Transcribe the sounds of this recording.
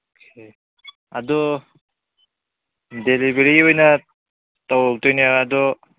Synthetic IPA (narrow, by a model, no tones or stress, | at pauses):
okʰe | ad̪ɔ | delibeɾiojna | t̪ɔwlt̪ɔjniaad̪ɔ